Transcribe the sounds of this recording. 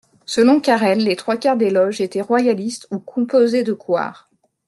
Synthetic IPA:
səlɔ̃kʲaʁɛlːet̪χwakaʁd̪elɔʒet̪ɛʁwajalist̪ukʰɔ̃pozed̪əkwa̰ːʁ

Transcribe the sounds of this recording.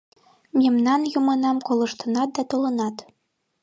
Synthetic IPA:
mʲemnɑnjumɤ̆nɑmkolˠɤ̆ʃt̪ɤ̆nɑt̪̚d̪ɑt̪olˠɤ̆nɑt̪

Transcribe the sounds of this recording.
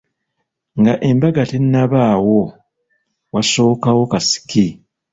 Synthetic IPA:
ŋɡaʔe̞mbaɡatenːaβaːwo | waso̞ːkawo̞kasi̥ki

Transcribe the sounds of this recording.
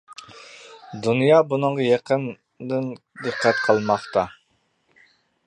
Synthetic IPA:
d̪unjɑbunɨɴʁɑjɑqʰən | d̪ɨn | d̪əqʰːæt̪qʰɑlˠmɑχt̪ɑ

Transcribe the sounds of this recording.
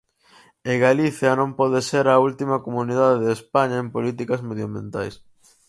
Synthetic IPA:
eɣaliθjɐnõmpɔðeseɾɐult̪imɐkomuniðaðeðespaɲɐempolit̪ikɐzmeðjombjḛ̃nt̪a̰js

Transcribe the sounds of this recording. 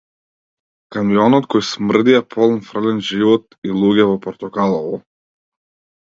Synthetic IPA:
kamijɔnɔt̪kɔjsmr̩d̪iapʰɔlˠnfɾlɛnʒivɔt̪ilˠuɡɛvɔpɔɾt̪ɔkalˠɔvɔ

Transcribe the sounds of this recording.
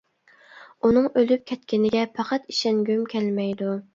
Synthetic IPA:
unɨŋølyp̚kʲʰɛt̪̚kʲɪnɪɡʲɛpʰɑqʰɑt̪iʃɛŋɡʲymkʲʰɛlmɛjd̪u

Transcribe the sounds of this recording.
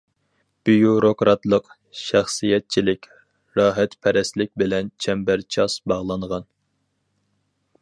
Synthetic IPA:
b̥ijuɾokɾɑt̪lˠəq | ʃæχsijɛt̪̚t͡ʃʰilɪkʲ | ɾɑːɦɛt̪pʰɛɾɛslɪk̚ʲbɪlɛnt͡ʃʰɛmbæɾt͡ʃʰɑsbɑʁlˠɑɴʁɑn

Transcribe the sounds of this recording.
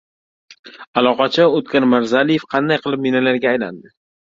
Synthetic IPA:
alˠɒqɑt͡ʃʰaot̪kʲanmaɾzalije̞fqʰɑnd̪ajqʰɨlˠɪp̚minalaɾɡʲaːjla̰nd̪ɪ

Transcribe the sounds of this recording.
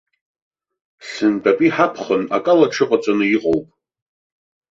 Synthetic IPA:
sɨndapʼiħapʰχəna̰kʼalaʈ͡ʂʰɨqʼat͡sʷʼanɨjiqʼowpʼ

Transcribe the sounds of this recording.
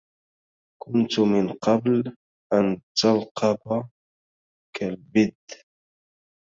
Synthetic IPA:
kʊnt̪mɪnqɑbl | ʔant̪alqʰɑba | kalbɪd̪

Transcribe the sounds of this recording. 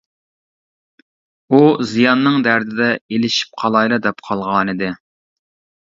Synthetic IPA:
uzijɑnːɨŋd̪æɾd̪ɪd̪ɛelɪʃi̥p̚qʰɑlˠɑjlˠɨd̪ɛpqʰɑlˠʁɑːnɨd̪ɪ

